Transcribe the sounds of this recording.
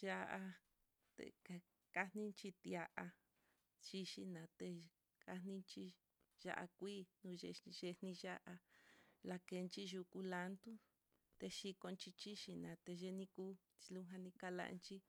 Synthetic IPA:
ʒa˧ʔa˧ | t̪ḛ˧ka˧ | ka˧nĩ˦nt͡ʃi˧t̪ja˧ʔa˧ | t͡ʃi˧ʃi˧nã˨t̪e˧ | ka˧nĩ˧nt͡ʃi˧ | ʒa̰˦˧ʔa̰˧kʷiː˦nũ˧ʒe˧ʒe˧nĩ˧ʒa˦ʔa˧la˧ke˧nt͡ʃi˦ʒu˧ku˧la˧nt̪u˦ | t̪e˧ʃi˧ko˧nt͡ʃi˧t͡ʃi˦ʃi˧nã˨t̪e˧ʒe˧nĩ˦kuː˦ | i˧lu˦ɦã˧nĩ˧ka˧la̰˧nt͡ʃi˦

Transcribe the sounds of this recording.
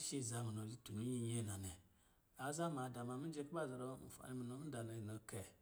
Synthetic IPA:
ʃi˦˨za˨mi˨no˨li˦tu˨ni˦i˦je˦˨na˨nɛ˨ | a˨˦za˦ma˨da˨ma˨mi˦d͡ʒe˦kba˦˨za˨ɾo˦mṵ˨fa̰˨ni˦mi˨no˦mi˦da˨no˨no˨˦kɛ˨

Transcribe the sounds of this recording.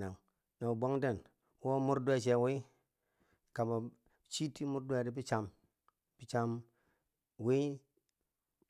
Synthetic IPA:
na˨ŋ | na˨bo˦ŋde˦˨n | wo˦mu˦ɾdwe˦t͡ʃe˨wi˦ | ka˨ma˨ | t͡ʃi˦ti˦mu˦ɾde˨di˦bi˦t͡ʃa˨m | bi˦t͡ʃa˦m | wi˦

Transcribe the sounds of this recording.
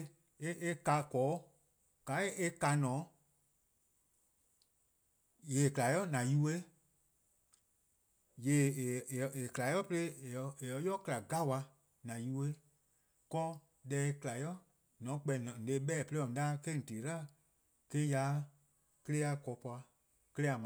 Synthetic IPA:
e˦e˦ka˧kɔː˨˦ | ka˨˦e˦e˦ka˧˦nɔ̃ː˨˦ | jeː˨kla˨jɔ˦nã˨ju˦˧˦we˦ | jeː˨e˨kla˨jɔ˦pə˧le˦˨˧e˨ɔ˧˦jɔ˦kla˨ɡa˦˨wa˧ | nã˨ju˧we˦ | kɔː˦ | dɛ˨˦e˧kɨ˧la˨jɔ˦ | nɔ̃˨˦k͡pɛ˧˨nɔ̃˨n̩˨e˧˦ɓɛː˦˨pə˧e˦ɔ̃˨˧aː˦ke˦n̩˨te˨˦la˦˨ | ke˦ja˨˦ | kə˧le˦a˧kɔː˨˦pɔ˧a˧ | kə˧lɛ˦a˨mã˨

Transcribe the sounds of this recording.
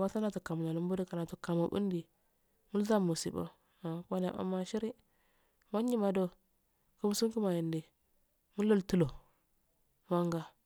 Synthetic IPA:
wa˦sa˦na˨tu˨ka˨m˨na˨lu˦m˦bu˦di˦ka˨na˨tu˨ka˨mo˨bṵ˦ndi˨ | mu˦lza˦mu˨sḭ˨bo̰˦ | a˨ka˦na̰˨ʔa̰˦mːa˦ʃi˦ɾi˦ | ma˦ɲ˦i˦ma˨do˦ | ku˦m˦su˦ŋku˦ma˨ji˨ndi˨ | mu˦lo˦ltu˦lo˨ | ma˦ŋɡa˦

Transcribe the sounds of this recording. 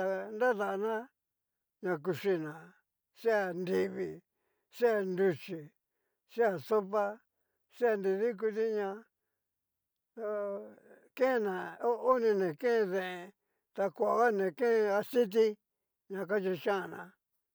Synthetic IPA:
t̪a˧nda˦ða˨˧nã˦ | ɲã˧k̬u˧ʂi˧nã˨ | ʂe˦a˧˨nd̪i˧βi˧˨ | ʂe˦a˧nd̪u˧t͡ʃi˨ | ʂe˦a˧˨so˦pa˦ | ʂe˦a˧nd̪i˧ði˦k̬u˧t̪i˦ɲã˧ | t̪a˧ | kẽ˦˧nã˨o˦o˦nĩ˧nẽ˨kẽ˦˧ðẽ˨e˧ | t̪a˧kʷa˨a˨˧ɣa˦nẽ˨kẽ˦˧a˧si˦t̪̬i˦ | ɲã˧k̬a˦t͡ʃi˧ʃã˦˧˨nã˨

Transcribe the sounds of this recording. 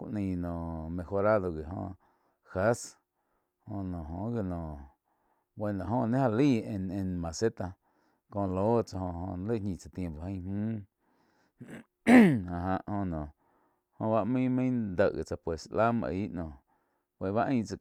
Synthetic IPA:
kʷa̰˨ʔnĩ˧˨nõ˨mẽ˧xo˧ɾa˦d̪o˧ɡe˨hõ̰˧ | xa˦s | hõ˧˨nɔ̃˨ɦõ˨ɡe˧nɔ̃˨ | we˧˨nã˨ɦõ˧nẽ˦ha˧liː˦ẽ˧nẽ˧mã˨se˦t̪a˧ | kõ˧˨loː˦t͡sa˧hõ˧hõ̰˧nle˦˨ɲĩ˧˨t͡sa˧t̪jẽ˧mpo˨hə̃˧˦hũː˦ | a˨ɦã˧ʔhõ˧nɔ̃˨ | hõ˧βa˦ʔmĩ˦mĩ˦d̪ə˧˨ɣe˨t͡sa˧pwe˨sʔla˦mã̰˧ʔi˦ʔnɔ̃ː˨ | wʷe˧˨βa˦ʔə̃ĩ˧˦t͡sa˧

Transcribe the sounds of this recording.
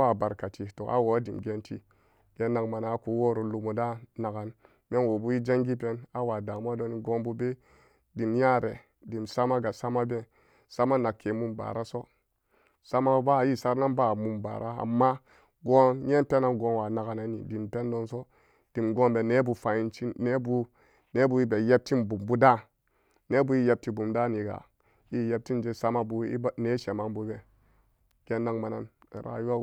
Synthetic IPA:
a˦˨ba˨ɾka˨ti˨to˨ʔa̰˦wo˨˦di˨mɡe˦ntḭ˦ | ɡ̥e˦nːa˨kma˨na˨˦ku˨˦wo˦ɾo˨lu˨mo˨da˦na˨ɡa˨n | me˦nwo˨bu˦ji˦d͡ʒa˦ŋɡi˦p̬e˦na˨wa˨da˨m˦a˦do˦ni˨ɡo˦nbu˦be˦ | di˨mja˦ɾe˨ | di˨msa˦ma˦ɡa˨sa˦ma˦be˦ | sa˦ma˦na˨kːe˨mu˦mba̰˨ɾa˦so˦ | sa˦ma˦ba˦˨ji˦sa˦ɾna˦nba˦˨mu˨mba̰˨ɾʔa˦a̰˨mːa˦ | ɡo˦nje˦npe˦na˦nɡo˨nwa˨na˨ka˨na˨˦nḭ˨di˨mpe˦n˦do˦nso˦ | d̥i˨mɡo˦nbe˨ne˦bu˨fa˨i˦nt͡ʃi˦e˦bu˦ | ne˦bu˨˦i˦be˨je˦b̚ti˦nbu˨mbu˦da˦ | ne˦bu˦i˦je˦b̚ti˨bu˨mda˦ni˨ɡa̰˨ | ji˦je˦p̚ti˦nd͡ʒe˦sa˦ma˦bu˦i˦ne˦ʃe˨ma˦nbu˦be˨ | ɡ̥e˦nːa˦ŋma˨na˦n˨ | ɾa̰˨ju˦wa˦

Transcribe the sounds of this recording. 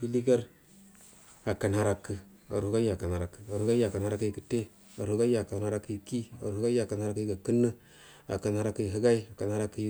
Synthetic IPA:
i˦li˦ɡa˦ɾ | a˨ka˨n˨ha˨ɾa˦kːə˨a̰˨ɾhu˦ɡa˦ja˨ka˨na˨ɾa˨kːə̥˨a˨u˦ɡa˦ja˨ka˨nha˦ɾa˦ki˦jkə̥˨te˦ | a˨ɾu˦ɡa˦ja˨ka˨nha˦ɾa˦ki˦˨ki˦a̰˨ɾhu˦ɡa˦ja˨ka˨n˨a˦ɾa˦kɡa˨kɨ˦nːə˦ | a̰˨ka˨nha˦ɾa˦ki˨ɦɨ˦ɡa˦i˦a˨ka˨nha˦ɾa˦kːi˦j

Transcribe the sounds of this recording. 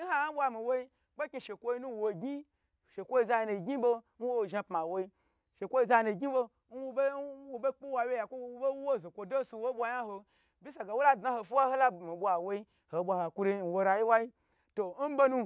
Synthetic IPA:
n̩˦ha˦ɓʷa˧mi˨wo˦i˦ | ɡ͡bo˦kʲi˧ʃe˨kʷo˦i˦nu˦wo˨ɡi˦ | ʃe˨kʷo˦i˧za˧ji˧nu˨ɡʲɲi˦bo˧ | n̩˦wo˦wo˨ʒa˧pma˨wo˧˦i˦ | ʃe˨kʷo˦i˧za˧nu˨ɡʲi˦bo˧ | n̩˦wu˦be˦wo˦be˦k͡pi˦wa˧wje˦ja˨kʷo˦u˦be˦u˦wo˦˨zo˨kʷo˧do˦su˧wo˦ɓʷa˧ja˦ho˧ | bʲi˦s̬a˨ɡa˨wo˦la˦˨dna˦ho˧fi˦wa˦ho˦la˦mi˨bʷa˨wo˦i˦ | ho˨bʷa˧ha˨kʷu˧ɾi˧˨n̩˨wo˧ɾa˨ji˦wa˦i˦ | to˨n̩˦bo˦nũ˧

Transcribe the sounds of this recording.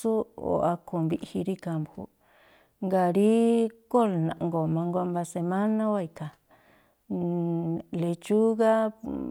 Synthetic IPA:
u˦o̰˨a˧ko˧˨mβi˦ʔhi˧ɾi˦ka˧mbṵ˨ | ŋɡa˧˨ɾi˦ko˦˨lnã˨ʔŋɡo˨mã˧ŋɡʷa˧mba˧se˧mã˦nã˦wa˦˧i˧ka˨ | le˧t͡ʃu˦ɣa˦

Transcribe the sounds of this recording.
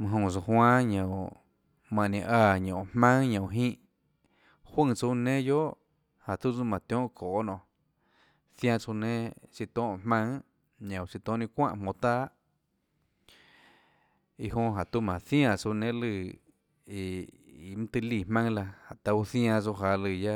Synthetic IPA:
mã˧ɦõ˧˨t͡so˧hwãː˦ɲõ˨w | mã˧˨nẽ˧ʔaː˧˨ɲõ˨mmã˦ŋɲõ˨ɦĩː˦ʔ | hwə̃˦˧ŋt͡su˧nẽ˦jo˦ʔ | ha˨t̪u˦t͡su˦mã˨t̪jõ˦ʔkʰoː˨nɔ̃˨ | θj̃ã˧t͡su˧nẽ˦si˧t̪õː˦ʔhmã˦ŋ | ɲõ˨wsi˧t̪õ˦˨nĩ˧kʷã̰˦ʔhmõ˧t̪aː˦ʔ | i˧ɦõ˧ɦa˨t̪u˦mã˨θj̃ã˧˨t͡su˧nẽ˦lɨ˧˨ | i˧ | i˨mɨ̃˦t̪ɨ˧li˧˨mã˦ŋla˧ha˨t̪a˧u˦θj̃ã˧t͡su˧ɦa˧lɨ˧˨ja˦

